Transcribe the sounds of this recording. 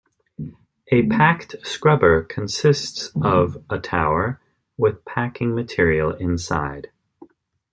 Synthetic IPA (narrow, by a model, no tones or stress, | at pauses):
ʔɨpʰæktskɹʌbə˞kʰɨ̃n̩sɪstsʌvətʰaʊə˞ | wɪð̥pʰækɪ̃ŋmɨtʰɪɹil̩ˠɪ̃nsa̰ɪd̥